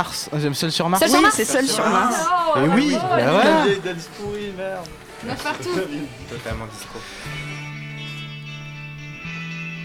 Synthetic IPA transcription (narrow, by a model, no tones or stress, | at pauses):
ʁsʒɛmsœlsyʁmaʁsisɛsœlsyʁmaʁsɛwiawɛaɛd̪ad̪ispuʁimɛʁ | aʁt̪u | t̪ɔt̪almɑ̃d̪isko